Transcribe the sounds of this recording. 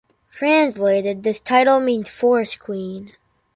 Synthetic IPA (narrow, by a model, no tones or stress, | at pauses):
tʰɹ̥æ̃nsleɪɾɨd̪̚ðɪstʰaɪɾl̩ˠmĩnz̥fɔɹskʰwĩn